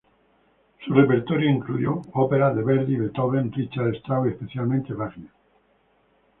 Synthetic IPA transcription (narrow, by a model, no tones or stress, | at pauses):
surepeɾt̪oɾjoiŋklujoopeɾaðeβeɾðiβet̪oβend̪it͡ʃaðest̪awiespeθjalmẽnt̪eβaɣna